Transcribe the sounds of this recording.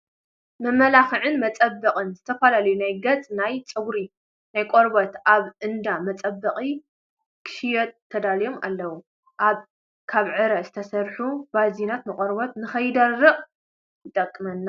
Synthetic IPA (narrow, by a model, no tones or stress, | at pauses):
mɐmɐlaxɨʕɨnmɐt͡sʼɐbːɨqʼɨnzɨt̪ʰɐfɐlalɐjunajɡɐt͡sʼnajt͡sʼɨɡɾi | najkʼoɾbɐt̪ʔaβʔɨnd̪amɐt͡sʼɐbːɐqʼi | kʰɨ̥ʃijɐt̪ʰːɐd̪alijo̞ma̰lːɐwu | ʔaβ | kʰaβʕɨɾɐzɨt̪ʰɐsɐɾħub̥azinat̪nɨkʼoɾbɐt̪nɨxɐjd̪ɐrːɨχʼ | jɨt̪ʼɐkʼːɨmɐnːa